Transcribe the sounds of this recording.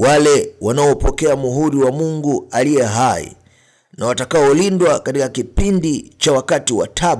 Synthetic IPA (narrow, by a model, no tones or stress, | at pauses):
walɛwanaɔpɔkɛamuɦuɾiwamuŋɡualijɛɦaḭ | nawatakaɔlindwakatikakipindit͡ʃawakatiwa̰tʰaɓ